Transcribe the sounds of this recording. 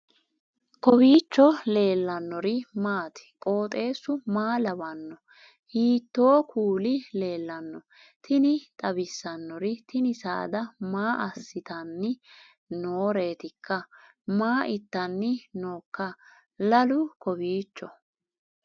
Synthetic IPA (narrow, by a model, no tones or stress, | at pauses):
kɔbiːt͡ʃːɔle̞ːlːɐnːɔɾɪmaːt̪ɪ̥kʼo̞ːt̪ʼe̞ːsːʊmaːlɐbɐnːɔ | hiːt̪ːoːkʰuːlɪle̞ːlːɐnːɔ | t̪ʰɪnɪt̪ʼɐbɪsːɐnːɔɾɪt̪ʰɪnɪsa̰ːd̪ɐmaːʔɐsːɪt̪ɐnːɪ | noːɾe̞ːt̪ɪkːɐ | maːʔɪt̪ːɐnːɪnoːkːɐ | lɐlʊkɔbiːt͡ʃːɔ